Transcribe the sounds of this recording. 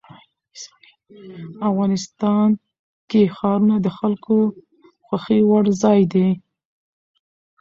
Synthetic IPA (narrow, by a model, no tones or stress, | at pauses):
afɣɑnɪst̪ɑn | kexɑɾunad̪əxalko | xwaxewaɽzɑjd̪e